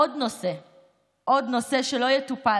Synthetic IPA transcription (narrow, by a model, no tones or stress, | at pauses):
odnose | ʔod̪no̞se̞ʃelo̞jɛt̪upa